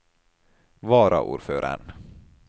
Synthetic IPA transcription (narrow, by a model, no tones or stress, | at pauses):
vɑːɾa̰ʔṵːɖføːɾʔa̰ɳ